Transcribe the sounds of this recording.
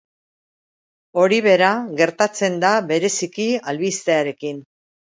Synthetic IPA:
o̞ɾiβ̞e̞ɾaɣe̞ɾt̪at͡se̞nd̪aβe̞ɾe̞sikialβist̪eaɾe̞kin

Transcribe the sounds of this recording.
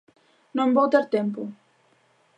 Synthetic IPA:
nombɔwt̪eɾt̪empu

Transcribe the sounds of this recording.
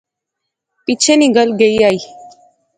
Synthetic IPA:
pit͡ʃʰeniɡəlɡeiaːiː

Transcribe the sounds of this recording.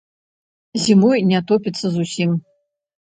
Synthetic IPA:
zʲimɔjnʲat̪ɔpʲit̪sːɐzusʲim

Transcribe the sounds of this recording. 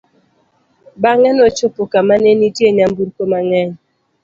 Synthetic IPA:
baŋɛnɔt͡ʃopokamanenitjeɲambuɾkomaŋɛɲ

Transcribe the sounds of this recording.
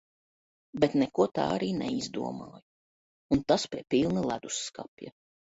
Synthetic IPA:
bet̪nɛkuɔt̪a̰ːaɾiːnɛ̰izd̪ṵɔmaːju | unt̪aspʲiɛpilˠnilˠæd̪usːka̰pʲja̰

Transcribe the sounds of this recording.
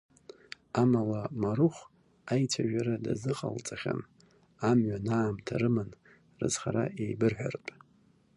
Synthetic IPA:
amalamaɾuχʷ | ajt͡sʷʰaʒᶣaɾadazɨqʼalt͡sʼaχʲa̰n | amɥanaːmtʰaɾɨmɨn | rɨ̰zχaɾaʔejbɨrħʷᶣarpʼ

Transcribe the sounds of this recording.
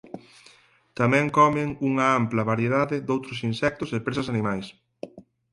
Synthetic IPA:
t̪amɛ̃ŋkɔmɪŋuŋɐamplɐβaɾjeðaðɪd̪owt̪ɾʊsinsɛk̚t̪ʊsepɾesɐsanĩmajs

